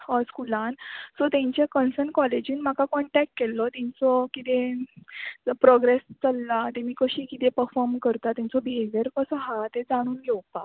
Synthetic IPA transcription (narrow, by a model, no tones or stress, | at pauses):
əskulãnsɔt̪jãɲt͡ɕekənsəɳkɔled͡ʑiːnm̤akakɔɳʈɛk̚ʈ̚kelːɔt̪ãt͡sɔkit̪ẽ | pɾɔɡɾest͡səlːat̪emiːkəɕiːkit̪ẽpəɾfɔɾmkəɾt̪at̪jãnt͡sɔbiɦeʋjəɾkəsəɦat̪ed͡zaɽ̃uːnɡʱewpa